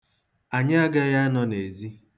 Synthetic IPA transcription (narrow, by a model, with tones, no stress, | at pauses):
a˨ɲɪ˦a˦ɡa˦ja˦a˦nɔ˦ne˨zi˦